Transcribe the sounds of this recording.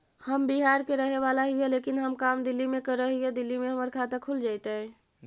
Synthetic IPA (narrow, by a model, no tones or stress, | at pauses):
həmbiɦaɾkeɾəɦeʋalaɦijɛlekinɦəmkamd̪ilːimekəɾəɦijɛd̪ilːimeɦəməɾkʰat̪əkʰuld͡ʒajt̪ɛɛ